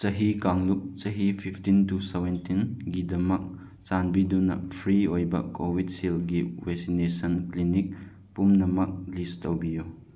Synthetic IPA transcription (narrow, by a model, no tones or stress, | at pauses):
t͡ʃɐɦikaŋluk̚t͡ʃɐɦipʰipʰtintusewentinɡidɐmɐk̚ | t͡ʃanbidunɐ̰pʰɾiojbɐ̰kowid̚silɡiwɛksinesɐnklinik̚ | pumnɐmɐk̚listɐwbiju